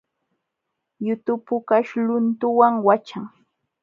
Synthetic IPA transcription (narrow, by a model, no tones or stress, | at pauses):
jʊt̪ʊpʊkaʃlʊnt̪ʊwaŋwat͡ʃaŋ